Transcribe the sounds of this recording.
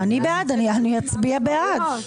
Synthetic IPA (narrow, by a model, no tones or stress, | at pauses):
anibead̪anianujat͡sbiabead̪